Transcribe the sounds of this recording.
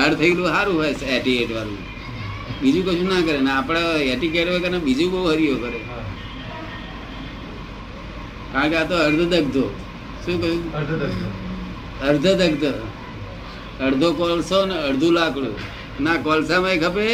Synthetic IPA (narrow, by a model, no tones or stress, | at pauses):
ɦəɾt̪ʰəilũɦaɾũɦajseʈikeʈʋaɾṵ̃ | bid͡ʒũkət͡ʃʰũnakəɾenːpɽ̃aeʈikeʈʋekəɾnabid͡ʒũbəuɦəɾijokəɾe | kaəɳkeat̪oəɾd̪ʱəd̪əɡd̪ʱo | ʃũːkəʃũ | əɾd̪ʱəd̪əɡd̪ | əɽd̪ʱokolsoneəɽd̪ʱũlakɽṵ̃ | nakolsamaikʰəpe